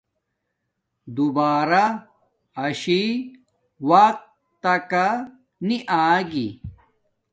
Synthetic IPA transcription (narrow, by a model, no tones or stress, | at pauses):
d̪ubaːɾa | ɐɕi | waq̚ | t̪ɐka | niʔaːɡḭ